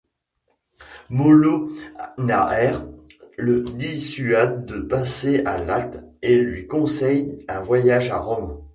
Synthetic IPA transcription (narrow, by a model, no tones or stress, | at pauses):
molonaʔɛʁləd̪isyad̪̚ːəpaseʔa̰lak̚t̪elɥikɔ̃sɛjɛ̃vwajaʒaʁɔm